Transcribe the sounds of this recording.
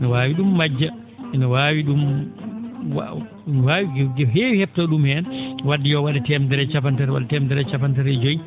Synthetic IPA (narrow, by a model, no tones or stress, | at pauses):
nɔwaːwiɗumːad͡ʒːa | ɛnɔwawiɗum | wa̰ | wawiɦeːwihɛp̚tɔɗumhɛnwadːijɔwaɗatɛmdɛɾɛt͡ʃapantaɾwa̰ɗatɛmdɛɾɛt͡ʃapantaɾɛd͡ʒoji